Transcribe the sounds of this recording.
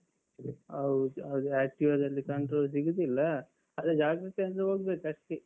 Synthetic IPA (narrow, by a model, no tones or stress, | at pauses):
ɐwd̪uɐwd̪uæːk̚ʈiʋɐd̪ɐlːikɐɳʈɾoːls̬iɡud̪ilːɐ | ɐd̪ed͡ʒaːɡɾɐkend̪ɐɦoːɡbekɐʂʈi